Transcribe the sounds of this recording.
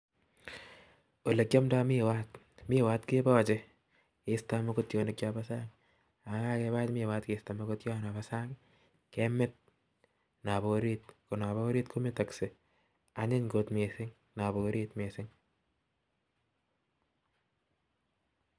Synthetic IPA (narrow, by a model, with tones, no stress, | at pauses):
o˨le˨kja˦mda˦mɪ˦wa˦t̚ | mɪ˦˨waː˦tke˦bɔ˦˨t͡ʃɪ˦ | ɪ˨sta˦ma˦ko˦tjo˨ne˨k̚jabasa˦ŋ | a˨ka˦ke˧βa˦t͡ʃmɪ˦˨waː˦tkesta˨ma˦ko˦tjɔ˦na˨ba˨sa˦ŋ | ke˦mɪ˦t̚ | na˨bo˨ɾi˦t̚ko˨na˨βa˦ɾi˦tkʰo˦mi˦ta˨ksɪ˨ | a˨ɲɪ˦ɲɡo˨tme˨sɪ˦ŋ | na˨boɾi˦tme˨sɪ˦ŋ